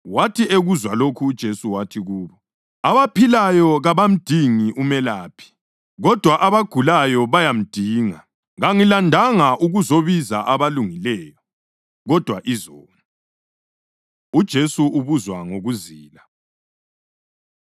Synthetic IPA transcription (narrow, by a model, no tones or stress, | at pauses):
watʰieɣuzwalokʰuːd̥ʒ̥ʱesuwatʰiɣuːβɔ | aβapʰilajɔɣaβam̩d̥ʱiŋiʔumɛlaːpʰi̥ | ɣɔd̥ʱwaʔaβaɡ̥ʱulajɔβajam̩d̥ʱiːŋa | ɣaŋilandʱaŋaʔuɣuzoβiza̰ʔaβaluŋilɛːjɔ | ɣɔd̥ʱwaʔizɔːna | ud̥ʒ̥ʱesuuβuzwaŋoɣuziːla